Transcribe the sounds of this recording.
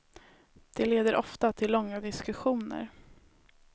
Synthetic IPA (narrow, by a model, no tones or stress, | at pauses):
d̪̥ɛleːd̪əɾʔɔft̪at̪ʰɪlːɔŋːad̪ɪskɵɧuːnə̰ɾ